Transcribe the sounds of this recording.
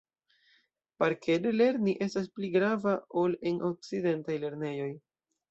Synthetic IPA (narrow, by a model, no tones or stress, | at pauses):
paɾkʰedele̞ɾniʔe̞staspliɡɾavao̞le̞nʔok̚t͡side̞ntajle̞ɾne̞jo̞j